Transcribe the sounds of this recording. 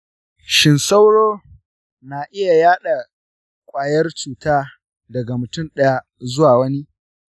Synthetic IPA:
ʃɪ˨nsa˦wɽoː˦ | naː˨ʔɪ˦ja˨jaː˦ɗa˨ | kʷʼaː˨jɐ˦rt͡ʃuː˨taː˦ | dɐ˨ɡa˨mʊ˨tʊ˦˨nɗɐ˦ja˦ | zʊ˦waː˨wɐ˦ni˦

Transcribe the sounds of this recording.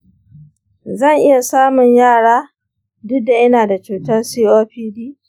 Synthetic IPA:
zɐ˦˨ŋʔɪ˦ja˨saː˦mʊ˨ɲjaː˦˨ɽaː˦ | dʊ˦dːa˨ʔɐ˦naː˨da˨t͡ʃuː˨tɐ˦rsiː˦ʔoː˦ɸiː˦diː˦

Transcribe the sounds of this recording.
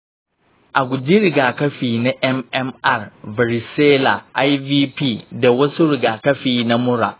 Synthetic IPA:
ʔa˨ɡʷʊ˨d͡ʑi˦ɾɪ˨ɡaː˨kʰɐ˦fiː˨nã˦ʔɛ˦mɛ˦ma˦˨ɾba˨ɾi˨seː˦la˨ʔa˦jviː˦pʰiː˦˨dɛ˨wɔ˦sʊ˦ɾɪ˨ɡa˨kɐ˦fiː˨nã˦mʊ̃˦ɾa˨

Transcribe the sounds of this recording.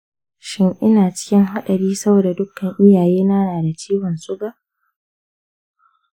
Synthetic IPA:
ʃɪ˦ŋʔɪ˦naː˨t͡ʃɪ̥˦kʲɪ˦ŋɦa˦ɗɐ˨ɾiː˦sɐ˦boː˨da˨dʊ˦kːɐ˨ŋʔɪ˦jaː˨jeː˦naː˦naː˨da˨t͡ʃiː˦wɔ˨nsʊ˦ɡa˨ʔ

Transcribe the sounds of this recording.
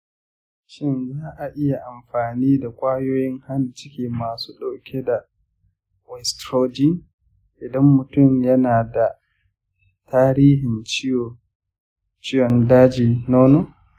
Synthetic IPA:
ʃɪ˦nzaː˦ʔa˨ʔɪ˦ja˨ʔa˨mɸaː˨niː˦da˨kʷʼaː˦joː˦jɪ˦ŋha˦nt͡ʃɪ˦kʲiː˨maː˨suː˦ɗa˨kʲʰe˦da˨ | wɛ˨stɾoː˦d͡ʒi˦ | ʔɪ˨dɐ˦mːʊ˨tʊ˦˨mjɐ˦naː˨da˨ | taː˦ɾiː˦ɦɪ˨nt͡ʃɪ˦jo˨ | t͡ʃɪ˦jɔ˨ndaː˦d͡ʒiː˨noː˦noː˦

